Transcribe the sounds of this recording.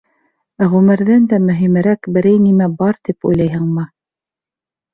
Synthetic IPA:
æʁʉmɘ̆ɾðɘnd̪æmɵ̆ɦimɘ̆ɾækbɘ̆ɾɘjnimæbɑɾt̪ipṵjlˠɑjɦɤɴmɤ

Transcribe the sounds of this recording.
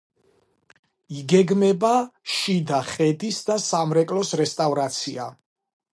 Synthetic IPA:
iɡɛɡmɛbaʃid̪aχɛd̪isd̪asamɾɛkʼlɔsɾɛst̪ʼavɾat̪sʰia

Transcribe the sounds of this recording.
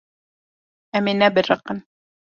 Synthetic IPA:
æminæbɘɾɑqːɤn

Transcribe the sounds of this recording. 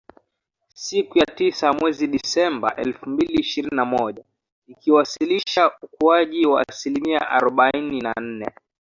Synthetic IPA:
sikujatisamwɛziɗisɛmba̰ʔɛ̰lfumbiliːʃiɾininamɔʄa | ikiwasiliʃaukuaʄiwaːsilimia̰ʔa̰ɾɔɓainina̰n̩nɛ̰

